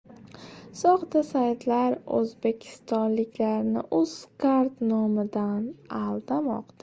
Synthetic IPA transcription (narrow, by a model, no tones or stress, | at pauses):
sɒχt̪asajt̪laɾɵ̰zbe̞kʲʰɪ̥st̪ɒnlɪkʲlaɾnɪ̰ʔɵz̥kʰaɾt̪nɒmɪd̪analˠd̪amɒ̰qd̪a